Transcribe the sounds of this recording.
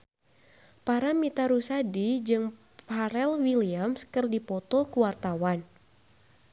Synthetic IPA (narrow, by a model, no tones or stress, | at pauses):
paɾamit̪aɾusadid͡ʒɨŋ | paɾɛlwiliamskɨrdipɔt̪ɔkuwart̪awan